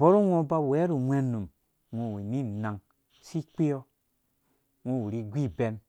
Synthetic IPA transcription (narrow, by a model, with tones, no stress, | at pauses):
bo˦ɾu˦ŋʷo˦ba˦˨e˦ɾu˨mʷe˦nːu˨m | ŋʷo˨wi˨ni˦˨na˨ŋ | si˦k͡pi˦jo˦ | ŋʷo˦˨wu˨ɾi˦ɡʷi˦be˨n